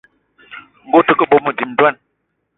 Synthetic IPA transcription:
ŋ̩˦ɡo˦˨tə˨˦kə˦˨ɓo˦mə˨di˨m˦dɛ˦n

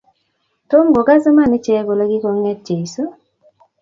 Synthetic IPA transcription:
to˦mɡo˨ɡa˦zo˦ma˦˨nɪ˦t͡ʃɛ˦ɡo˨lo˦ɡɪ˦ko˨˦ŋɛ˦t̚t͡ʃe˨i˨so˦

